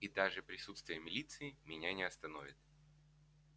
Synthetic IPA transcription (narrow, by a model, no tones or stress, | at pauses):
id̪aʐɨpɾʲɪsut̪st̪vʲɪjəmʲɪlʲit̪sɨɪmʲɪnʲanʲɪɐst̪ɐnovʲɪt̪̚